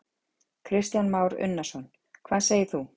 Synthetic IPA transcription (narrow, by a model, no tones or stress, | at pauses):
kʰɾɪst̪janmaːwɾʏ̰nːasɔn | kʰvaːðseːjɪɾ̥θu